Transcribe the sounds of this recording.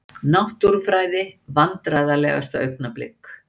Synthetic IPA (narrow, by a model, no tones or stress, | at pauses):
nawht̪uɾ̥fɾaːjðɪvant̪ɾaðalɛ̰ɣa̰st̪aœ̰ɥknaplɪ̰kː